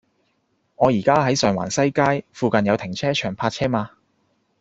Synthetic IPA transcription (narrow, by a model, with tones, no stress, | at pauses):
ŋɔː˨˧jiː˨˩kaː˥ɦɐ˨˥jsœː˨˩ŋwa̰ː˨˩nsɐ˥jkaː˥jfuː˨˧kɐ˨njɐ˨˧wt̪ʰɪ˨˩ŋt͡sʰɛː˥t͡ʃʰœː˨˩ŋpʰaː˧t̚t͡ʃʰɛː˥maː˧